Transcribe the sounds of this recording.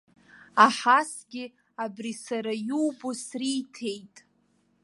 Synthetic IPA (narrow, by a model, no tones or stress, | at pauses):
aħasɡʲɪ | abrisaɾajuwbosriːtʰe̞jtʼ